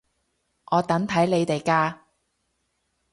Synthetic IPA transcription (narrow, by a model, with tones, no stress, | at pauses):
ʔɔː˨˧t̪ɐ˨˥ŋt̪ʰɐ˨˥jle˨˧jt̪e˨jkaː˧